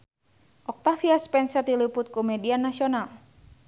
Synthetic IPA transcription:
ʔɔk̚t̪afiaspɛnsɛt̪̚ilipʊt̪̚komɛdianːasiɔnal

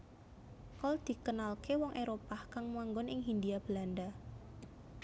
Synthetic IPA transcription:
kɔld̪̥i̤kənalkewɔŋʔeɾopahkaŋmwaŋɡɔnʔɪŋɦind̪iab̥əland̪a

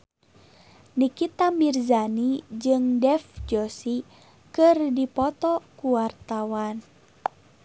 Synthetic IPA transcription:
nikit̪amirzanid͡ʒɨŋdɛfd͡ʒɔsi | kɨrdipɔt̪ɔkuwart̪awan

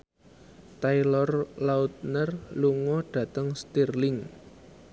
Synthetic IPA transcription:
t̪ajlɔrlaut̪̚nərluŋɔɖ̥ä̤t̪əŋst̪irlɪŋ

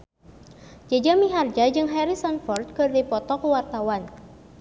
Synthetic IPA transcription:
d͡ʒad͡ʒamiɦard͡ʒad͡ʒɨŋɦɛɾisɔnfɔrd̪̚kɨrdipɔt̪ɔkuwart̪awan

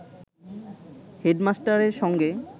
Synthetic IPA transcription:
heɖmasʈaɾeɾʃɔŋɡe

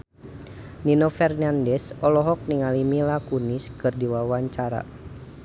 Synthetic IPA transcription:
ninɔfɛrnandɛsɔlɔɦɔk̚niŋalimilakuniskɨrdiwawaɲt͡ʃaɾa̰

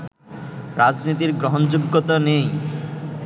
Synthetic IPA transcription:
ɾad͡ʑnit̪iɾɡɾoɦond͡ʑuɡːot̪anej

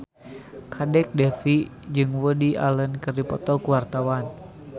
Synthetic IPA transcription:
kʰadɛk̚dɛfid͡ʒɨŋwədia̰lənkɨrdipɔt̪ɔkuwart̪awan

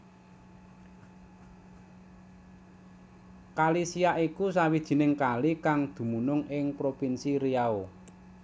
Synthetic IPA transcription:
kalisijaʔikusawid̥ʒ̥i̤nɪŋkalikaŋd̪̥ṳmunʊŋɪŋpɾopinsiɾiao

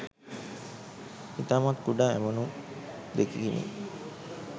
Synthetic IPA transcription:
it̪aːmat̪kuɖaːæ̰mənu | d̪ekiɡinḭ

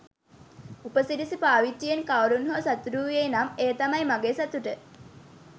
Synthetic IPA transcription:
upəsidisipaːʋiʈːijenkaʋɾunɦosat̪uɾuːʋenameːt̪amɐjmaɡeːsat̪uʈə

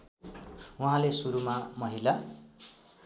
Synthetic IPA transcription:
uɦãlesuɾumamʌɦila

